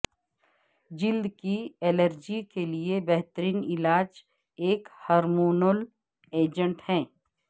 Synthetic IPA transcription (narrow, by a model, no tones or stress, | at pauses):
d͡ʒɪld̪kieːləɾd͡ʒikeliebɛɦt̪ɾiːnɪlaːd͡ʒ | eːkhɔːɾmoːnol | eːd͡ʒə̃ɳʈhɛ̃ː